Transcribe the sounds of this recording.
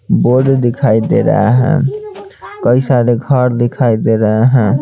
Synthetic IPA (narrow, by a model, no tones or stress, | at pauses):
boɖd̪ikʰajd̪ḛɾə̰ɛɦɛ̰̃ | kəjsaɾeɡʱəɾd̪ikʰajd̪eɾəɦɦɛ̃